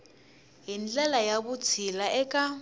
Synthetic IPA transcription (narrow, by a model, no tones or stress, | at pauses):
ɦind͡ɮɛlajaβut͡sʰilaʔɛkʼa